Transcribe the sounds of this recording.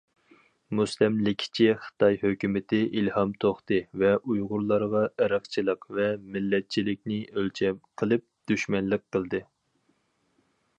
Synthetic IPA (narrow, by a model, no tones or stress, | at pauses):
muslɛmlɪkʲʰːɪ̥t͡ʃʰiχə̥t̪ʰɑjhøkʲymɪt̪ʰɪʔilhɑmt̪ʰoχt̪ɨvɛʔujʁʊɾlˠɑɾʁɑʔæɾɑχt͡ʃʰilˠəqvɛmɪlːɛt̪̚t͡ʃʰilɪk̚ʲnɪʔølt͡ʃʰɛmqʰəlˠɨp̚d̪̥yʃmɛnlɨqqʰːəlˠd̪ɨ